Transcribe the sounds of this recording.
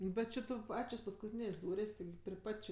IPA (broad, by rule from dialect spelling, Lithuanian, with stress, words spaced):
ˈbʲɛt t͡ʃʲɪ ˈtʊ ˈpɑːt͡ʃʲoːs pɐskʊˈtʲiːnʲeːsʲ ˈduːrʲeːsʲ tʲɪˈɡʲɪ pʲrʲɪ ˈpɐtʲ t͡ʃʲɪ